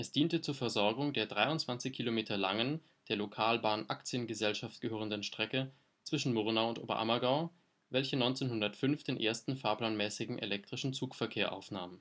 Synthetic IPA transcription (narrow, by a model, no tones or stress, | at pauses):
ʔɛsd̥iːntət͡suːɐfɛɐzɔɐɡʊŋdeːɐdʁaɪʊntt͡sv̥ant͡sɪçkʰilomeːtʰɐlaŋən | d̥eːɐlokʰaːlbaːnʔakt͡sjənɡəzɛlʃaftɡ̥əɦøːʁəndənʃtʁ̥ɛkə | t͡sv̥ɪʃn̩moʁnaʊʊntʔo̰ːbɐ̰ʔa̰mɐɡaʊ | vɛlçənɔʏnt͡seːnɦʊndɐtfʏnfd̥eːnʔḛːɐstn̩faːɐplaːnmɛːsɪɡŋ̩ʔḛlɛk̚tʁ̥ɪʃn̩t͡suːkfɛɐkʰeːɐʔa̰ʊfnaːmən